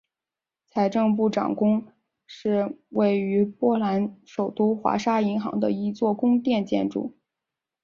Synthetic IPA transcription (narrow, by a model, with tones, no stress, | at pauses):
t͡sʰa˧˥ɪʈ͡ʂɤ˥˧ŋp̬u˥˩ʈ͡ʂɑ̰˨˩ŋkʊ˥ŋ | ʂɻ̩˥˧we˥˩ɪy˧˥pwɔ˥la˧˥nʂo˨˩ʊt̪u˥xwa̰˧˥ʂa˥i˧˥ŋxɑ̰˧˥ŋd̪ə̰˧i˥˧t͡swɔ˥˩kʊ˥ŋt̪jɛ˥˧nt͡ɕjɛ̰˥˧nʈ͡ʂṵ˥˩